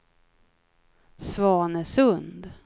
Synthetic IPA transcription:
svɑːɳəsɵnd̪

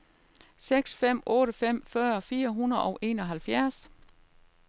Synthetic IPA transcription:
seɡ̥sfem̰ɔ̽ːɾəfem̰fɶɐfiːɐɦunəɐð̩ˠɒʊʔe̝ːnɒ̽ɦælfjæɐs

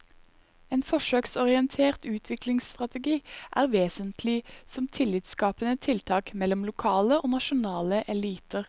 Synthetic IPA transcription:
eːnfɔʃøːksɔʁɪɛnt̪ʰeːʁt̪ʉːt̪ʰʋɪklɪŋst̪ʁɑt̪əɡiːʔæ̰ːʁʋeːsənt̪ʰlɪsɔmt̪ʰɪlɪːt̪skɑːpənət̪ʰɪlt̪ʰɑːkmɛlɔmlʊkʰɑːləʔoːnɑʃʊnɑːləʔɛliːt̪əʁ

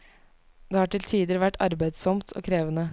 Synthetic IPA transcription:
d̪̥eːhɑːʈɪlt̪ʰiːd̪əɾʋæʈːɑɾbæɪd̪sɔmt̪ʰʔo̰ːkʰɾeːʋənə

